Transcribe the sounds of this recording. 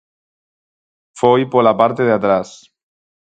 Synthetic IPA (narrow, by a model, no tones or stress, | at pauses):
fojpolapaɾt̪eðeat̪ɾas